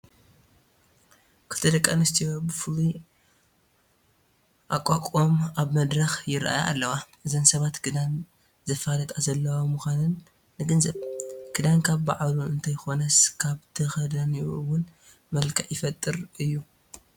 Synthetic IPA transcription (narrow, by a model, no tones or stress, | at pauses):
kʰɨt̪ʰɐd̪ɐkʼːanɨst̪ʰijo̞bɨfɨlu | ʔakʼakʼomaβmɐd̪ɾɐxjɪɾʔa̰jaa̰lːɐwaʔɨzɐnsɐβat̪kʰɨd̪an | zɐfalɐt̪ʼazɐlːɐwamuxʷanɨnː | ɨɡɐnzɐβkʰɨd̪ankʰaβbaʕluɨnt̪ʰɐjxo̞nɐskʰaβt̪ʰɨxɐd̪anuɨwʊn | mɐlkʰɐʕjɪfɐt̪ʼːɨɾɨjːu